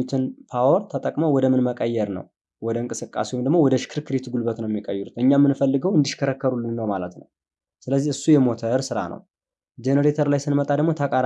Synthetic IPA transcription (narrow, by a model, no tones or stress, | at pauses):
ut̪ʰɨnpʰawɔɾt̪ʰət̪ʼəkʼməwɔd̪əmɨnməkʼəjːɛɾnə̰w | wɔd̪əɨŋkʼɨsɨkʼːa̰sewɔmd̪əɡmo̞wɔd̪əʃkʰɨɾkʰɨɾit̪ɡulbət̪nəwjɛmːikʼəjːuut̪ʔɨɲːamːɨnfəlːɨɡəwɨnd̪ɨʃkʰəɾəkːəɾulːɨnːəwmalət̪nə̰w | sɨləzːihɨsːujɛmo̞t̪ʰəɾsɨɾa̰nʔə̰w | d͡ʒenəɾet̪ʰəɾlajsɨnmət̪ʼad̪əɡmo̞t̪ʰəkʼaɾ